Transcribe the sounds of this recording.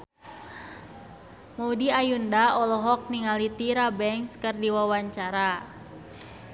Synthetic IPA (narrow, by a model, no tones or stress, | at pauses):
maudiajundaɔlɔɦɔk̚niŋalit̪iɾabɛŋkskərdiwawaɲt͡ʃaɾa